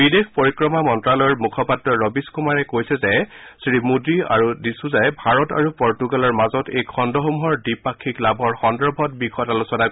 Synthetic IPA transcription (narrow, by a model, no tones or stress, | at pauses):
bidexpoɹikɹɔmamɔntɹalɔjɔɹmukʰɔpatɹɔɹɔbiskumaɹɛkojsɛzɛsɹimudɹia̰ɹudisuzajbʱaɹɔta̰ɹupɔɹtuɡalɔɹmazɔtejkʰɔndɔɦomuɦɔɹdipakʰːiklabʱɔɹxɔndɔɹbʱɔt̚bixɔtalusɔna